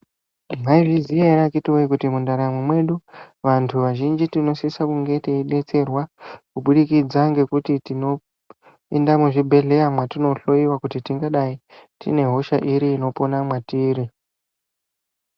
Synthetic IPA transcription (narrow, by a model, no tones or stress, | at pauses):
maivizieɾakitioikutimundaɾamwemwe̞ɗuʋantʰuʋaʒind͡ʒitino̞sisakuŋɡe̞teiɗe̞t͡se̞rwakuɓuɗikid͡zaŋɡe̞kutitino̞ | endamuʐibʱe̞ɮe̞amwatino̞ɬo̞iwakutitiŋɡaɗai | tḭne̞ɦo̞ʃaʔiɾiːno̞po̞namwatiːɾi